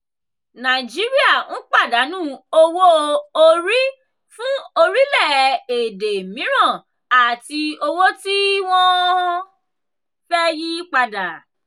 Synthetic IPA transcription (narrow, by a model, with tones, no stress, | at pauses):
nã˨i˨d͡ʒi˨˦ɾi˦a˦˨n̩˦k͡pa˦˨da˨˦nũː˦˨o˦˧wo˦o˦ɾi˦ | fũ˦o˧ɾi˦lɛ˦˨e˨de˨mĩ˨˦ɾ̃ã˦˨ | a˨ti˧o˧wo˦ti˦w̃ɔ̃˦ | fɛ˦ji˦k͡pa˧da˨